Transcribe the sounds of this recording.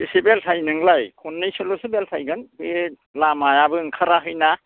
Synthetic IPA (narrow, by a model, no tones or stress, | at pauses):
bisibeltʰajnɯŋlajkʰunːɯjsɯlosibeltʰajɡɯnbe | lamajabɯŋkʰaɾaɦɯjna